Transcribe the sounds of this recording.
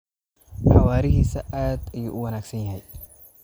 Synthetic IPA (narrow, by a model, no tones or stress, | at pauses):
ħɑwaːɾɪɦisɐʔaːd̪ɪjɔʔʊwɐnaːɡsɐnjɐɦɛj